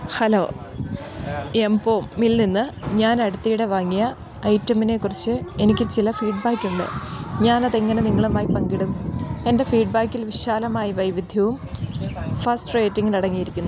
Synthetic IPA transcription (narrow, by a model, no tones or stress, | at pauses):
hɐloː | empoːmːilninːɨɲaːnɐɽut̪ːijiɽeʋaːŋːijɐ | ɐjtːɐmine̞kːurit͡ɕːɨe̞nikʲːɨt͡ɕilɐfiːɖbaːkːuɳɖɨ̰ɲaːnɐðe̞ŋːɐne̞niŋːɐɭumaːjipɐŋɡiɽume̞nde̞fiːɖ̚baːkːilʋiɕaːlɐmaːjiʋɐjʋid̪ʱjɐʋum | fɐsʈreːtːiŋɡilɐɽɐŋːijiɾikʲːunːu